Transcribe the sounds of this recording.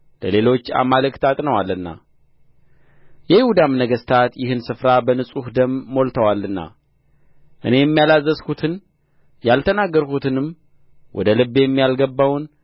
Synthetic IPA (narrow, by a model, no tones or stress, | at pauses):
ləle̞lo̞t͡ʃːa̰maləkt̪ʼat̪ʼnəwalːɨnːa̰ | jɛjɪhud̪amnəɡəst̪ʰat̪jɪhɨnsɨfɾabənɨsʼuhd̪əmːo̞lt̪ʰəwalːɨnːa̰ | ʔɨne̞jɛmːijalazːəskut̪ʰɨn | jalt̪ʰənaɡːəɾkut̪ʰɨnɨm | wʔɔ̰d̪əlɨbːejɛmːijalɡəbːawn